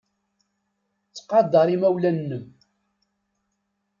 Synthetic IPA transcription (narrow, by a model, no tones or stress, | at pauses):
t͡sːqɑd̪ˤɑɾˤimæwlænːəm